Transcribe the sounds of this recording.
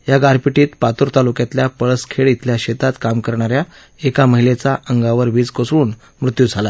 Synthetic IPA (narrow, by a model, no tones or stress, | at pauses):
jaɡaɾpiʈiːt̪pat̪uɾt̪alukjat̪ljapəɭəskʰeɭit̪ʰljaɕet̪at̪kamkəɾɳ̃aɾja | ekaməɦilet͡saʔəŋɡaʋəɾʋiːd͡zkosɭuːn | mɾut̪jud͡zʱala